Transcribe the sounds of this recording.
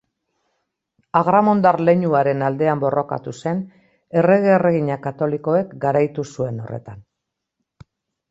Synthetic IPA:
aɣɾamo̞nd̪arle̞ɲuaɾe̞nald̪e̞ambo̞ro̞ka̰t̪use̞n | e̞re̞ɣ̞eːre̞ɣiɲakat̪o̞liko̞e̞kɡaɾajt̪usue̞no̞re̞̰t̪an

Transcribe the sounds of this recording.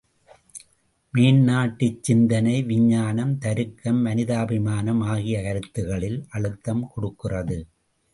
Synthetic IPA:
miːnnaːʈːɯt͡ʃːɪnd̪ɐnɐɪʋɪɲːaːnɐmt̪ɐɾɯkːɐmːɐnɪðaːbɪmaːnɐmaːɣɪjɐkɐɾɯt̪ːɯɣɐɭɪlʔɐɭɯt̪ːɐmkɔɽɯkːɪrɐðɯ

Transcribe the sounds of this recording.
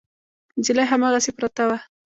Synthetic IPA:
d͡ʒilaɦamaɣasepɾat̪awa

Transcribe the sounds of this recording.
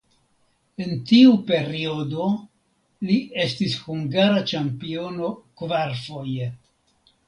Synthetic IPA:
e̞ntiupe̞ɾio̞do̞ | lie̞stishuŋɡaɾat͡ʃampio̞no̞kvaɾfo̞je

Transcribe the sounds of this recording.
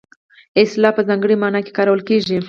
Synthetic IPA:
eslapəzaŋɡɽimanake̥kaɾawəlkiːʒi

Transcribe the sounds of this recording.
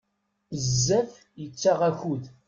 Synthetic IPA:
əzːæθ | jət͡sːaʁæçuð

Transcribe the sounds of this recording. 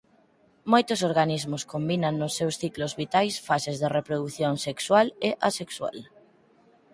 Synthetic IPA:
mojt̪ʊs̬oɾɣanizmʊskombinaŋnʊsːewsθiklʊzβit̪ajsfasezðerepɾoðuθjoŋsekswaleʔasekswa̰l

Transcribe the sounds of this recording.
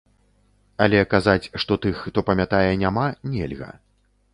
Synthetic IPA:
alʲɛkazat͡sʲʂt̪ɔt̪ɨxːt̪ɔpɐmʲat̪ajɛnʲamanʲɛ̰lʲɣɐ̰

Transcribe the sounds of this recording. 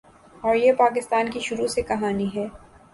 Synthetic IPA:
ɔːɾjepaːk̬ɪst̪aːnkiʃʊɾusekɐɦaːniɦɛː

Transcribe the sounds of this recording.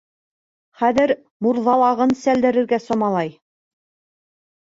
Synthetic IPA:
χæðɘɾ | muɾðɑlˠɑʁɤnsæld̪ɘ̆ɾɘ̆ɾɡæsɒmɑlˠɑj

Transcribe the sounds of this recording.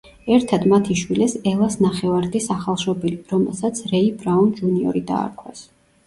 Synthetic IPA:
ɛɾt̪ʰad̪mat̪ʰiʃwilɛsɛlˠasnaχɛvaɾd̪isaχalˠʃɔbiliɾɔmɛ̰lˠsat̪sʰɾɛibɾaund͡ʒuniɔ̰ɾid̪a̰ːɾkʰwa̰s

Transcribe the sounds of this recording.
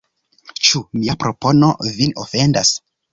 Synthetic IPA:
t͡ʃumiapɾo̞po̞no̞̰vinofe̞ndas

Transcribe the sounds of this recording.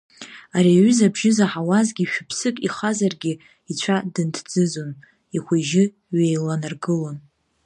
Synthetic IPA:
aɾiaɥʏzabʒɪzaħawazɡʲiʃᶣʊpʰsɨkʼiχazarɡʲɪ | it͡ɕʷʰadɨntʰd͡zɨzon | iχʷeʒɪ | ɥejlanarɡɨlon

